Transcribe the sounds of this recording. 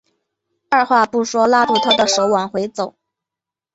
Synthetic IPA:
a˥˧xwa˥˧pu˥˩ʂwɔ˥la˥t̪u˥˩t̪ʰa˥d̪ə˨ʂo˧˥ʊwa˨˩nxwe˧˥ɪt͡so˨˩˦ʊ

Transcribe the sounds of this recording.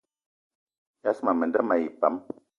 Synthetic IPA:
ja˦sma˨mə˨nda˦ma˨ji˨pa̰˨˦m

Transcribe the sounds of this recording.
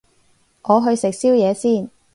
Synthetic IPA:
ʔɔː˨˧ɦɵ˧ɥsɪ˨k̚siː˥wjɛː˨˧siː˥˩n

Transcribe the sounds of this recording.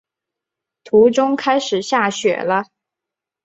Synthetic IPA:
t̪ʰu˧˥ʈ͡ʂʊ˥ŋkʰa˥ɪʂɻ̩˨˩ɕja˥˩ɕɥɛ̰˨˩lə˦

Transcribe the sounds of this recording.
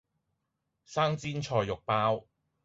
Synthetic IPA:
saː˥ŋt͡siː˥nt͡ʃʰɔː˧jːʊ˨k̚paː˥w

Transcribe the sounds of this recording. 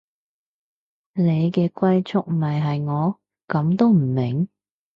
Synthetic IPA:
ne˨˧jkɛː˧kʷɐ˥jt͡sʰʊ˥k̚m̩˨ɐ˨jɦɐ˨jŋɔː˨˧ | kɐ˨˧mt̪o˥wm̩˨˩mɪ˨˩ŋ

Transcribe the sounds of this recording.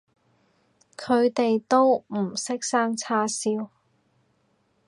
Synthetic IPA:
kʰɵ˨˧ɥt̪e˨jt̪o˥wm̩˨˩sɪ˥k̚saː˥ŋt͡sʰaː˥siː˥w

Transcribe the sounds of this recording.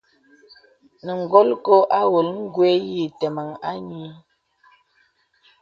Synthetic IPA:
nə˨ŋ˨ɡo˦lko˦ʔa˦wo˨lŋ̩˦ɡwe˦ji˦˨tɛ˨ma˨ŋa˦ɲi˦

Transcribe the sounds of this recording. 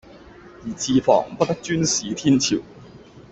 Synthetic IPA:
jiː˨˩t͡ɕʰiː˧fɔ̰ː˨˩ŋpɐ˥t̪ɐ˥k̚t͡ʃyː˥nsiː˨˥t̪ʰi˥nt͡ɕʰḭ˨˩w

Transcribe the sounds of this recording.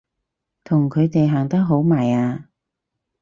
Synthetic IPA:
t̪ʰʊ˨˩ŋkʰɵ˨˧ɥt̪e˨jɦaː˨˩ŋt̪ɐ˥k̚ɦo˨˥wmaː˨˩jaː˧

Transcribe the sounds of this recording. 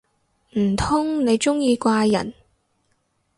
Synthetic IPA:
m̩˨˩t̪ʰʊ˥ŋne˨˧jt͡sʊ˥ŋjiː˧kʷaː˧jɐ̰˨˩n

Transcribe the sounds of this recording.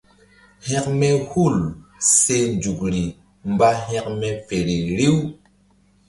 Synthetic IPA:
hɛ̃˦kmɛ˦hu˦˨lse˦nd͡ʒu˨kɾi˨ | mba˦ɦɛ̃˦k̚mɛ˦fe˨ɾi˨ɾi˦w

